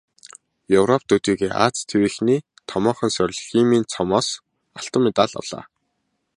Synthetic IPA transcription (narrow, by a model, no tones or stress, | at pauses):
jɵwrɔp̚t̪ut̪iːɣeːʔa̰ːt͡st̪ʰewiːxniː | t̪ʰɔmɔːχə̆nsœɾ̆ʲɮximiːnt͡sʰɔmɔːs | aɬt̪ɔːmet̪aːɮɔ̰ɮ̥a̰ː